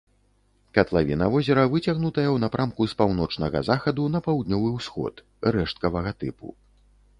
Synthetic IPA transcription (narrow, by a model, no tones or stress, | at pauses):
kɐt̪lˠavʲḭnɐvɔzʲɛɾɐvɨt͡sʲaɣnut̪ɐjɐwnɐpɾʔamkuspawn̪ɔt͡ʂnɐɣɐ̰zaxɐd̪unɐpawd̪nʲɔvɨwsxɔ̰t̪ | ɾɛʂt̪̚kɐvɐɣɐt̪ɨ̰pṵ